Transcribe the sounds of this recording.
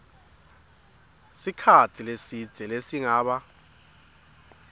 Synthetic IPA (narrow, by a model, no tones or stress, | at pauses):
sikʰatʰilesi̥ɛlesiŋaːɓa